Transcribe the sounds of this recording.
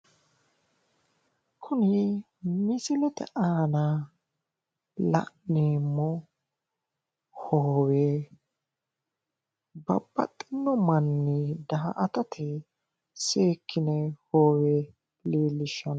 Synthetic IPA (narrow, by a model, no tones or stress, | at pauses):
kʰʊnɪ | mɪsɪlɛt̪ɛ̰ʔaːnɐ | lɐ̰ʔniːmːɔ | hoːweː | bɐ̰bːɐ̰t̪ʼːɪnːɔmɐnːid̪ɐhɐ̰ʔɐt̪ɐt̪ʰɪ | seːkʰːɪnɛhoːwe | liːlːɪʃːɐn